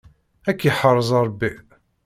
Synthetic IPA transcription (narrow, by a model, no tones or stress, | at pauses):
ækːiħərˤːzˤɾˤbːi